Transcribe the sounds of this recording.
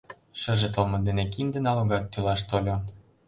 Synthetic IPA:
ʃə̆ʒet̪əlmɤ̆d̪enek̬ind̪ĕnɑloɣɑt̪ːylɑʃt̪olʲo

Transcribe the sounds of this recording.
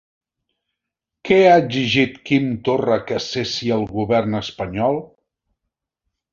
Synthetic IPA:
kɛaəd͡ʒiʒit̪kint̪orəkəsesiəlˠɣuβɛrnəspəɲɔlˠ

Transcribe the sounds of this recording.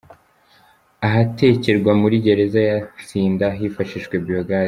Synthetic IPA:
aɦate̞ceɾɡwamuɾiɟe̞ɾe̞zajat͡siːndaɦifaʃiʃkweboɡa

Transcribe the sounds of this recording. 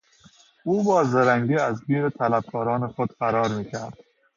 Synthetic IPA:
uːbɒːzeɾæŋɡiːæzbiːɾet̪ʰælæb̚kʰɒːɾɒːnexod̪̥fæɾɒːɾmiːkʰæɾd̪̥

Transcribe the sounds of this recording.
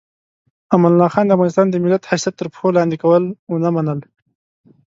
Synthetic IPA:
amanlɑxɑnd̪əafɣɑnɪst̪ɑnd̪əmɪlat̪hasjat̪ːəɾpxolɑnd̪ɪkawəlʊnamanəl

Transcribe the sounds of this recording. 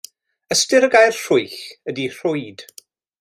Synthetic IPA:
əstɪɾəɡajrr̥ʊɨɬədir̥ʊɨd̥

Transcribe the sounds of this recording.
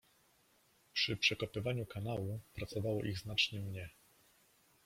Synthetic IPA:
pʂɘpʂɛkɔpɘvaɲukanawupɾat̪sɔvawɔ̰ʔiɣznat͡ʂɲɛmɲɛ

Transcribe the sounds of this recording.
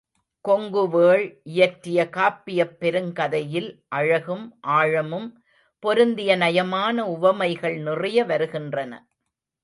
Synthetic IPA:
kɔŋɡɯʋeːɭʔɪjɐʈrɪjɐkaːpːɪjɐpːɛɾɯŋkɐðɐjɪlʔɐɻɐɣɯmʔaːɻɐmɯm | pɔɾɯnd̪ɪjɐnɐjɐmaːnɐʊʋɐmɐɪɣɐɭnɪrɪjɐʋɐɾɯɣɪndrɐnɐ̰

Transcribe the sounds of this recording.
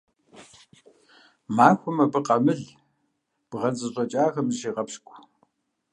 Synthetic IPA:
maːxʷʊmɐbɨqɐmɨɮ | b̥ʁɐnt͡sʼɨɕʼɐt͡ʃʼaːxɐmʒiːʁɐpʃkʷʼ

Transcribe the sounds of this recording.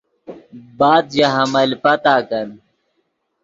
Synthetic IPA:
baːd̪jaɦɐmɐlpɐt̪aːkɐn

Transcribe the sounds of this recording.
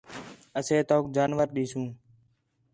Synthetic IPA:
əseːt̪oːk̚d͡ʒaːnʋəɾɗiːsũː

